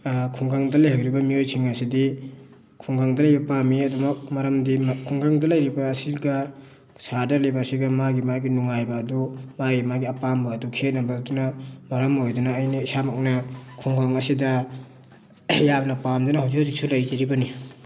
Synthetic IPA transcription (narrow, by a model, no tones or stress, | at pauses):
kʰuŋɡʰaŋdɐlajɦawɾibɐmiojsʰiŋɐsidi | kʰuŋɡʰaŋdɐlɐjbɐpamiɐdumɐk̚mɐɾɐmdimkʰuŋɡaŋdɐlɐjɾibaːsiɡɐ | saɾdɐɾlajbaːsiɡɐmaɡimaɡinuŋajbɐːdumaɡimaɡiɐpambɐːdukʰet̚nɐbadunamɐɾɐmojdunaːjnɐisamak̚nɐkʰuŋɡaŋɐsidɐ | jamnɐpamdunaɦawzikhawzik̚sulɐjd͡ʒɐɾibɐni